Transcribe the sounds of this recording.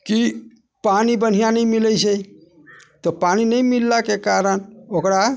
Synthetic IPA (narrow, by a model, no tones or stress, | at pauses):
ki | panibən̤ijanəjmiləjt͡ʃʰə | t̪ɔpaninəjmilːakekaɾənokɾa